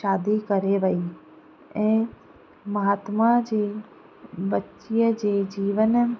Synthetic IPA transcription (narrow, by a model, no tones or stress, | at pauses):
ʃaːd̪ikəɾeʋəi | ɛ̃ː | mɐɦaːt̪mad͡ʑeː | bətːʃijəd͡ʑeːd͡ʑiːʋən